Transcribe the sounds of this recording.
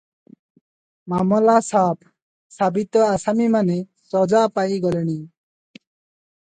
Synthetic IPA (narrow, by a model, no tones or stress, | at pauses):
mamɔlasaːpʰ | sabit̪ɔasamimane | sɔd͡zapajɡɔlɛɽ̃i